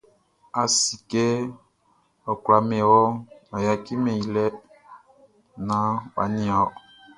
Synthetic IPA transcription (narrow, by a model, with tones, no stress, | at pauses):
a˨si˨ke˦ | ɔ˨kwa˨˦mɛ̃˨wɔ˦a˨ja˨ki˦mɛ̃˨i˨lɛ˦ | nã˦wa̰˨nĩ˦ɔ˨